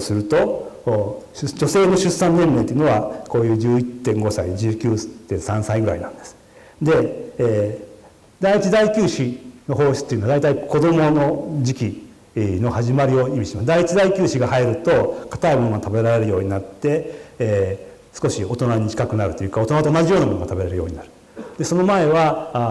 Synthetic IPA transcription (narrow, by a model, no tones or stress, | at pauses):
sɨɾɯ̟t̪o̞ | d͡ʑo̞se̞ːno̞ɕɨsːãnːẽ̞nːe̞nt̪eiɯ̟noβako̞ːjɯːd͡ʑɨːit̪ːẽ̞ŋɡo̞said͡ʑɨːkʲɨːst̪ːẽ̞ɰsãɰ̃saiɡɯɾa̰inã̰nd̪e̞sɨ̥ | d̪e̞ː | d̪ait͡ɕid̪aikʲɨːɕino̞ɦo̞ːɕi̥t͡sɨ̥t̪ːeɯ̟noad̪ait̪aikʰo̞d̪o̞mo̞no̞d͡ʑikʲi | no̞haʑimaɾʲio̞imʲiɕimasɨd̪ait͡ɕid̪aikʲɨːɕiɡahaiɾɯ̟t̪o̞kḁt̪aimonoɡat̪abe̞ɾaɾe̞ɾɯ̟jo̞ːɲ̟inat̪ːe̞ | sɨ̥ko̞ɕio̞t̪o̞naɲ̟it͡ɕi̥kakɯ̟naɾɯ̟t̪o̞jɯ̟ːkao̞t̪oat̪onad͡ʑijo̞ːnamo̞noɡa̰t̪abe̞ɾeɾɯjo̞ːɲ̟inaɾɯ̟ | d̪e̞so̞no̞mae̞βa